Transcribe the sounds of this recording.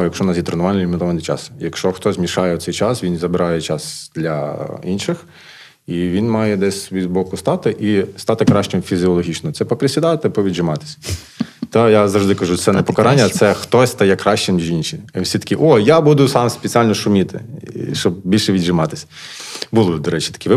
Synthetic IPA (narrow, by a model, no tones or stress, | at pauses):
jɐkʃɔnɑsʲit̪ɾenʊʋɑnnilʲɪmɪt̪ɔʋɐnɪjt͡ʃɑ̰sjɐkʃt͡ʃɔxt̪ɔzʲmʲiʃɑjɛʊɔt̪ɛjt͡ʃɑsʋʲinzɐbɪɾɑjɛt͡ʃɑsd̪lʲɐinʃɪx | iʋʲinmɑjɛd̪ɛsʲʋʲizbɔkʊst̪ɑt̪ɪʔist̪ɑt̪ɪkɾɑʃt͡ʃɪmfʲizʲiɔlˠɔɦʲit͡ʃnɔt̪sɛpɔpɾʲesʲid̪ɑt̪ɪpɔʋʲid̪ʒɪmɑt̪ɪ̥sʲ | t̪ɑjazɐʐʒd̪ɪkɐʒut̪sɛnɛpɔkɐɾɑnʲːɐt̪sɛxt̪ɔsʲst̪ɐjɛkɾɑʃt͡ʃɪmnʲiʒinʃʲiwsʲit̪ɐ̥kʲiʔɔjabud̪ʊsɑmspet͡sʲialʲnɔʃʊmʲit̪ɪ̰ʃt͡ʃɔb̚bʲilʲʃɛʋʲidʒɪmɑt̪ɪ̥sʲ | bulˠɔd̪ɔɾɛt͡ʃi̥t̪ɐ̥kʲiʋɪ